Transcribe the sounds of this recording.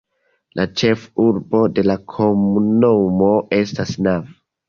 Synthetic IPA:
lʔat͡ʃe̞fuɾbo̞de̞lakʰomunomo̞ʔe̞stasnav

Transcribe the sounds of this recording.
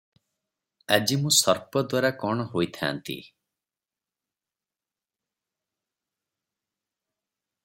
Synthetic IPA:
ad͡ʒimũsɔɾpɔd̪waɾakɔɽ̃ɔɦojt̪ʰa̰ːnt̪ḭ

